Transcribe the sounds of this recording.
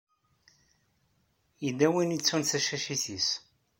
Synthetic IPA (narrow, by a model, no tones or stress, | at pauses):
jid̪æwinit͡sːunθæʃæʃiθis